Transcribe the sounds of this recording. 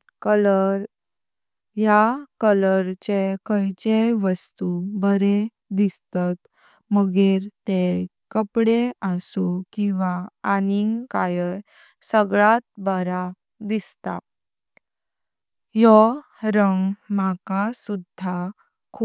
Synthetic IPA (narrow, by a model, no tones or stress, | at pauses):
kələɾ | jakələɾt͡ɕekəjt͡ɕeʋəst̪ubəɾe | d̪ist̪at̪ | məɡeɾt̪e | kəpɽeəsukĩʋaaniŋkajə | səɡɭat̪̚bəɾa | d̪ist̪a̰ | jɔ | ɾəŋɡmakasud̪ʱa | kʰu